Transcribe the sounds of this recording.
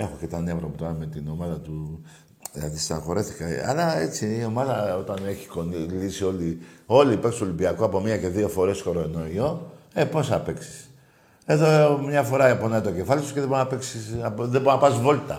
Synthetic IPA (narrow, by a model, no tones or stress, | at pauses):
e̞xocet̪ɐnevɾɐput̪oɾɐme̞t̪ino̞maðɐt̪u | jɐ̰ðisɐxo̞ɾe̞θi̥kɐa̰lɐe̞t͡siːo̞maðɐo̞t̪ɐne̞çi̥ko̞nilisio̞lio̞lipeksolimbiɐkoɐpo̞miɐce̞ðio̞fo̞ɾe̞sko̞ɾonoio̞epo̞sɐpe̞ksi̥s | e̞ðo̞mɲɐfo̞ɾɐeponɐit̪oce̞fɐlisu̥ceðebnape̞ksisðebonapɐzvo̞lt̪ɐ